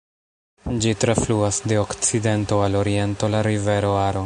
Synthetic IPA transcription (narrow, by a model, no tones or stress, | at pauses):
d͡ʒitɾafluasde̞okt͡side̞nto̞alo̞ɾie̞nto̞laɾive̞ɾo̞aɾo̞